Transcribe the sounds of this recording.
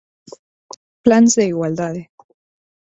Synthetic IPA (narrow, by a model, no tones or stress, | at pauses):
planzðeiɣwald̪aðe